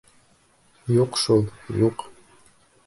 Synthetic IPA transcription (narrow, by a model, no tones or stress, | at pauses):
juqʃulˠjuq